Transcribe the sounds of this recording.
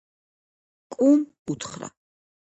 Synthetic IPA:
kʼum | ut̪ʰχɾa̰

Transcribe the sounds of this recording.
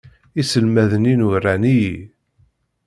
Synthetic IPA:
isəlmæðəninurːænii

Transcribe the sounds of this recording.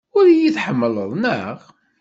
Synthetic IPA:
ʊɾjiθħəmːələðˤnəʁ

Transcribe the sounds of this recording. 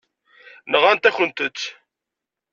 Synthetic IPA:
nəʁænt̪æçənt̪ət͡sː

